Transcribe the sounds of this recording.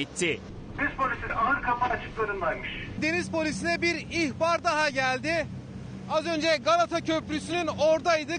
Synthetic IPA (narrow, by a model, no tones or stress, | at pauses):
it̪ʰːɪ | d̪enʲizpʰolʲisiaɦɯɾkʰapaːt͡ʃʰɯ̥klˠanɯnlˠajmɯʃd̪e̞nizpo̞lʲisinɛbiɾiçbaɾd̪aɦaɟælʲd̪ɪ | azønd͡ʒɛɡalˠat̪ʰacʰø̞plʲysynyno̞ɾd̪ajd̪ɯ